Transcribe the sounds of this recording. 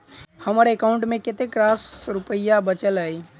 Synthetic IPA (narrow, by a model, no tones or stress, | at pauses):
həməɾekaũɳʈmeket̪ekɾasɾupəjabət͡ʃələj